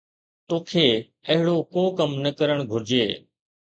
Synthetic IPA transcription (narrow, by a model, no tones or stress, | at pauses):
t̪oːkʰeː | ɐɦɪɽokoːkɐmnɐkəɾəɽ̃ɡʱʊɾd͡ʑeː